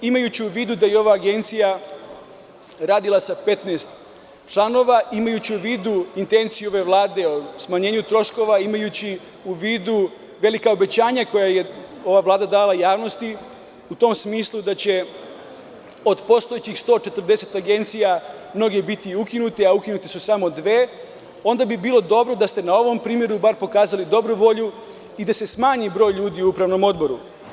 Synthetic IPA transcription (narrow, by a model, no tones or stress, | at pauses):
imajut͡ɕiuʋiːd̪ud̪ajeo̞ʋaːɡe̞nt̪sija | ɾaːd̪ilˠasape̞t̪nest̪ | t͡ʃlˠano̞ʋaʔimajut͡ɕiuʋiːd̪uint̪e̞nt̪sijuo̞ʋe̞ʋlˠaːd̪e̞osmaɲe̞ːɲut̪ɾo̞ʃko̞ʋaimajut͡ɕi | uʋiːd̪u | ʋe̞likao̞be̞t͡ɕaːɲako̞jajeo̞ʋaʋlaːd̪ad̪aːlˠajaːʋno̞st̪i | ut̪o̞msmiːslˠud̪at͡ɕe̞ | o̞d̪po̞st̪o̞jet͡ɕixst̪o̞ːt͡ʃe̞t̪r̩d̪e̞se̞t̪aɡe̞nt̪sijamno̞ɡe̞bit̪iukinut̪eaukinut̪esusamo̞d̪ʋe̞ː | o̞nd̪abibiːlˠo̞d̪o̞bɾo̞d̪ast̪e̞nao̞ʋo̞mpɾiːmje̞ɾubaɾpo̞kaːzalid̪o̞bɾuʋo̞ʎu | id̪ase̞smaːɲibɾo̞ːjʎuːd̪iuupɾaʋno̞mo̞d̪bo̞ɾu